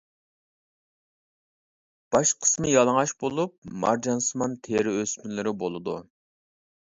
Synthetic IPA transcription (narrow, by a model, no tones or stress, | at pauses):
b̥ɑʃqʰə̥smɨjɑlˠəŋɑʃbolˠup̚mɑ̰ɾd͡ʒɑnsɨmɑnt̪ʰeɾɪøsmɪlɪɾɪbolˠɨd̪ṵ